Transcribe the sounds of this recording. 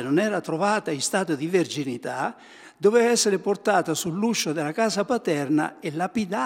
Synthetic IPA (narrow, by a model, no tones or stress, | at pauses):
nonɛːɾat̪ɾovaːt̪aist̪aːt̪od̪iverd͡ʒinit̪a | d̪ovɛɛsːeɾɪport̪aːt̪asulːuʃːod̪ɪlakaːsapat̪ɛrna̰elːapid̪a